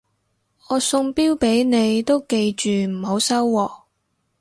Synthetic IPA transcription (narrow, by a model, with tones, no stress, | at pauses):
ɔː˨˧sʊ˧ŋpiː˥wpe˨˥jne˨˧jt̪o˥wke˧jt͡ʃyː˨m̩˨˩ho˨˧˥wsɐ˥wːɔː˧